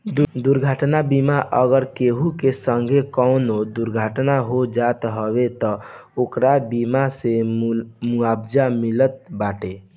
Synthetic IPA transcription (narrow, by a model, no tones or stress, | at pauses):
d̪uɾɡʱaʈnabimaʔəɡəɾkeɦukesəŋɡʱekəʊnod̪uɾɡʱaʈnaɦod͡ʒat̪ɦəbet̪ɔokɾabimase | muabd͡ʒamilət̪̚baʈe